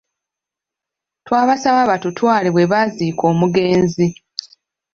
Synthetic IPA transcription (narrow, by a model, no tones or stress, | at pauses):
twaːβasaβaβatutwaːliβwe̞βaziːko̞ːmuɡe̞ːnzi